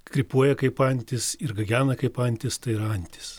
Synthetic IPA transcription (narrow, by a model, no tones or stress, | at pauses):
kɾʲɪpuɔjɛkɐɪpɐnʲt̪ʲɪsɪɾɡɐɡʲæːnɐkɐɪpɐnʲt̪ʲɪst̪ɐɪɪɾɐɐnʲt̪ʲɪ̥s